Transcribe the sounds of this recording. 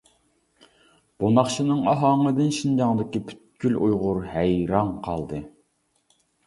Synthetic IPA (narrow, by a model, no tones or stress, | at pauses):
b̥onɑχʃinɨŋɑɦɑŋəd̪ɨnʃind͡ʒɑŋd̪ɪkʲipʰy̥t̪̚kʲylujʁʊɾhæjɾɑŋqʰɑ̰lˠd̪ɨ